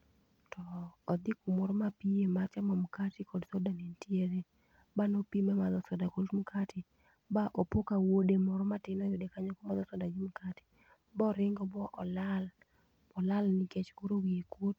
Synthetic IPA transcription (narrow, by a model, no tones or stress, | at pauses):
tɔːd̪ɪkumɔɾɔmapiemat͡ʃamɔmukatikɔdsɔdanentieɾe | banopimamad̪ɔsɔdakodmukʰatɪ | baʔopokawodemɔɾɔmatɪnɔjodekaɲɔkɔmad̪ɔsɔdaɡimukatɪ̥ | bɔɾɪŋɡɔbɔʔɔlal | ɔlalnɪkɛt͡ʃkoɾowiekot